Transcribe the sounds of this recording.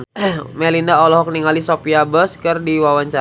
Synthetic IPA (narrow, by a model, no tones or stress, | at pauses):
mɛlindaɔlɔɦɔk̚niŋalisopiabəskərdiwawaɲt͡ʃa